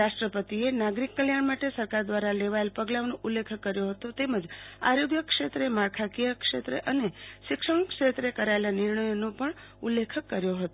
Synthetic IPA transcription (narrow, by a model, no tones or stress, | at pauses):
aʃʈɾəpət̪ienaɡɾikːəljaɳmaʈesəɾkaɾd̪ʋaɾaleʋaelpəɡlaʋnũʔulːekʰəkːəɾjoɦət̪ot̪eməd͡ʒa̰ɾoɡjəkʂet̪ɾemaɾkʰakijəkʂet̪ɾḛʔəneʃɪkʂəɳkʂet̪ɾekəɾaelanɪɾɳəjonũpəɳ | ulːekʰəkːəɾjoɦət̪o